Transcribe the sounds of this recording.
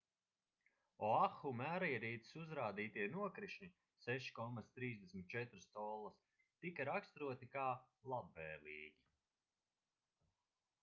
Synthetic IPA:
ɔaxumæːɾajɾiːt̪i̥suzɾaːd̪iːt̪iɛnuɔkɾiʃnʲi | sɛʃi̥kɔmast̪ɾiːzd̪esʲmʲit̪̚t͡ʃɛt̪ɾɨst̪ɔlˠːas | t̪ikaɾakst̪ɾuɔt̪ikaː | lˠabvɛːliːɡʲi

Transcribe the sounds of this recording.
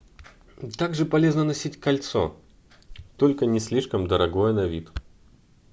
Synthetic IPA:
t̪aɡʐɨpɐlʲe̞znənɐsʲitʲkɐlʲt̪so̰ | t̪olʲkənʲɪsʲlʲiʂkəmd̪əɾɐɡojənɐvʲit̪

